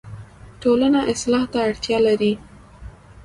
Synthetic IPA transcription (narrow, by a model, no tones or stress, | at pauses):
ʈolanaʔɪslɑht̪aːɽt̪jɑlaɾi